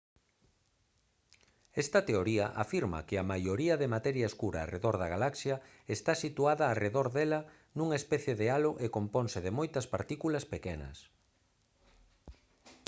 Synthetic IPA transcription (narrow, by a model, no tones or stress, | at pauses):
ɛst̪ɐt̪eoɾiɐʔa̰fiɾmɐ̰kɪɐmajoɾiɐðemat̪ɛɾjɐeskuɾɐ̰ːreðoɾðɐɣalaksjɐ | est̪asit̪uaðɐːreðoɾðɛlɐ | nuŋaespɛθjeðealoʔekomponsɪðemojt̪ɐspaɾt̪ikulɐspekɛnɐ̰s